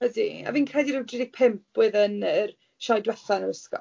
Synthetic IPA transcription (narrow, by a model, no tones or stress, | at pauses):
ədḭa̰viːnkʰrɛdiɾɪwdrɪdɪɡ̥̚pʰɪmpʰwɨðənər | ʃajdwɛθanəɾəskɔ̰